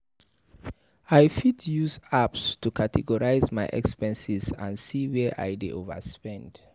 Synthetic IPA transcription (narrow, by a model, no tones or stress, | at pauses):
ajfitjuzapstukʰatʰɛɡɔɹaɪzmaɪʔɛ̰kspɛ̃nsizã̰ndsiwɛʔa̰jdḛʔovə̰spɛ̃nd̥